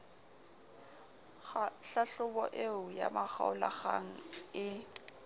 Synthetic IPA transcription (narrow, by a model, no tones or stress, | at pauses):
ɬaɬʊbɔʔeʊja̰maχaʊlaɣaŋ̩ɪ